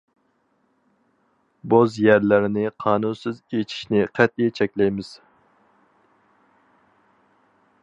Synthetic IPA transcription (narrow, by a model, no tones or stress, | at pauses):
bozjæɾlɪɾɪnɪqʰɑːnunsɨzet͡ʃʰi̥ʃnɪqʰɛt̪̚ijt͡ʃʰɛkʲlɛjmɪz̥